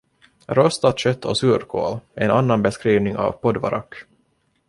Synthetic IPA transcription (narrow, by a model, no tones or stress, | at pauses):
ɾœst̪at̪ɕœt̪ʰːɔsʉːɾkʰo̰ːlʔɛnanːanbɛskɾiːvnɪŋa̰vpʰɔd̪va̰ɾʔa̰kː